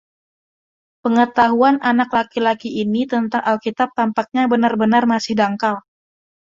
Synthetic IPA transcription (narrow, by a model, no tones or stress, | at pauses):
pəŋət̪aɦuanʔanaklakilakiʔinit̪ənt̪aŋʔalkit̪ap̚t̪ampak̚ɲabənarbənarmasɪhdaŋkal